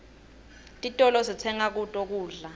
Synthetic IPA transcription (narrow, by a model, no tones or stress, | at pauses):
tʼitʼɔlɔsit͡sʰɛŋak̬utʼok̬uːɮa